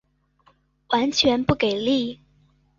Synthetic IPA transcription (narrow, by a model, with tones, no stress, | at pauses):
wa˧˥nt͡ɕʰɥɛ˧˥npu˥˩ke˨˩ɪli˥˩